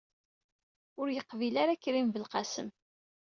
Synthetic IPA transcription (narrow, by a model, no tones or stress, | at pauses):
ʊɾjəqːvilaɾakːɾimvəlqasə̰m